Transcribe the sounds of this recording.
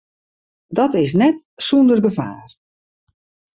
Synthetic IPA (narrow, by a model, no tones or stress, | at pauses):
dɔtɪs̬nɛt | sundərɡəva̰ːr